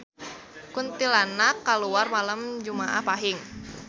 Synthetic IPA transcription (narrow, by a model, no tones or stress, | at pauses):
kunt̪ilanakːaluarmalamd͡ʒumaʔahpaɦɪŋ